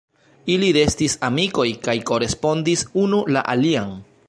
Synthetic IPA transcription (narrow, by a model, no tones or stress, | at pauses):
ilide̞stisamiko̞jkajko̞ɾe̞spo̞ndisunula̰ʔaliaŋ